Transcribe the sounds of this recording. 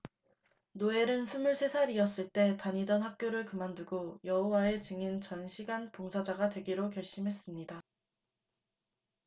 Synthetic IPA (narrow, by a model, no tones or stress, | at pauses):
noe̞ɾɯnsʰumuɭsʰe̞sʰaɾiʌs͈ɯɭt͈e̞taɲidʌnhak̚k͈joɾɯɭkɯmanduɡojʌɦowae̞t͡ɕɯŋint͡ɕʌnɕʰiɡanpoŋsʰad͡ʑaɡadwe̞ɡiɾokjʌɭɕ͈imɦe̞s͈ɯmɲida